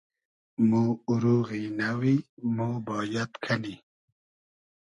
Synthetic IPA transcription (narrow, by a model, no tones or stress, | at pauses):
muːuɾuːɣinawimuːbɔːjat̪kʰani